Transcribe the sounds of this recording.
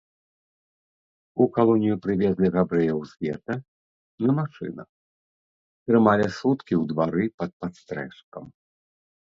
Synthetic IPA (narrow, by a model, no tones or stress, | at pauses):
ukalˠɔnʲijupɾɨvʲɛzʲlʲɛɣabɾɛjɐwzʲvʲɛ̰t̪ɐ | nɐmaʂɨ̰nɐx | t̪ɾɨmalʲɛsut̪kʲiwd̪vaɾɨpɐt̪̚pat̪st̪ɾɛ̰ʂkɐm